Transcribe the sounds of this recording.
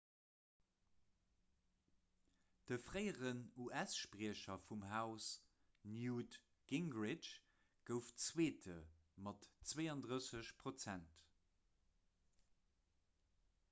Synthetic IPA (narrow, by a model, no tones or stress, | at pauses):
d̥əfʁeɪəʁənuʔæsʃpʁiəɕɐfumɦaʊs | njuːt | ɡ̥iŋɡʁɪt͡ʃ | ɡ̥əʊft͡sweːtʰə | mɑtt͡sweːɑndʁəsəɕpʰʁ̥ot͡sænt